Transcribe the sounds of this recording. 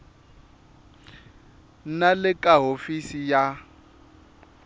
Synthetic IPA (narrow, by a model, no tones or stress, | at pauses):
nalɪkʼaɦofisija